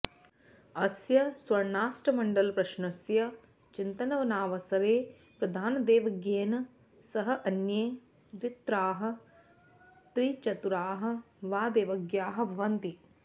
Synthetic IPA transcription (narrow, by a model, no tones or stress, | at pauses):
ɐsjɐsʋɐɾnaːsʈɐmɐɳɖɐlpɾɐʃnɐsjɐ | t͡ʃint̪ɐnɐʋɐnaːʋɐsɐɾeː | pɾɐd̪ʱaːnɐd̪eːʋɐɡjeːnɐ | sɐɦɐʔɐnjeː | d̪ʋit̪ɾaːɦɐ̆ | t̪ɾit͡ʃɐt̪uɾaːɦɐ̆ | ʋaːd̪eːʋɐɡjaːɦɐbʱɐʋɐnt̪i